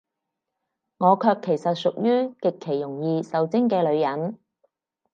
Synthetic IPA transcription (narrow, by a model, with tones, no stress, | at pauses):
ŋɔː˨˧kʰœː˧kʰːe˨˩jsɐ˨t̚sʊ˨k̚jyː˥kɪ˨kʰːe˨˩jːʊ˨˩ŋjiː˧sɐ˨wt͡sɪ˥ŋkɛː˧lɵ˨˧ɥjɐ˨˥n